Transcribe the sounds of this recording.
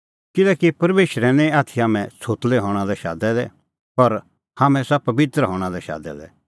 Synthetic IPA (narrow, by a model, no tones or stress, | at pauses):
kɪlɛːkipɐɾmeːʃɾɛ̃nɛ̃aːt̪ʰijaːmɛ̃t͡sʰoːt̪lɛɦɔːɽ̃alɛʃa̰ːd̪ɛlɛ | pɐɾ | haːmɛ̃sapɐbɪt̪ɾɦɔ̃ːɽ̃alɛʃa̰ːd̪ɛ̰lɛ̰